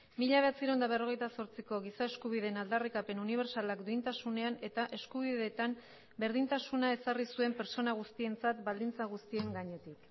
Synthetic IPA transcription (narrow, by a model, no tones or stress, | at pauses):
miʎaβe̞at͡siɾond̪aβ̞e̞ro̞ɣ̞e̞jt̪aso̞ɾt͡siko̞ɣisae̞skuβ̞ið̞e̞ːnald̪arikape̞nuniβ̞e̞ɾsalakd̪uint̪asune̞ane̞t̪aʔe̞skuβ̞iðe̞t̪am | be̞ɾð̞int̪asunae̞sarisue̞mpe̞ɾt͡ʃo̞naɣ̞ust̪ie̞nt͡sat̪bald̪int͡saɣ̞ust̪ie̞ŋɡaɲe̞t̪ik